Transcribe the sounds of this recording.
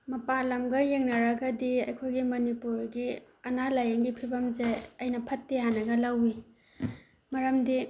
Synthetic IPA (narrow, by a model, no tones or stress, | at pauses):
mɐpalɐmɡɐjeŋnɐɾɐɡɐdiɐjkʰojɡimɐnipuɾɡi | ɐnalajeŋɡipʰibɐmzeɐjnɐpʰɐtːehanɐɡɐlɐwi | mɐɾɐmdi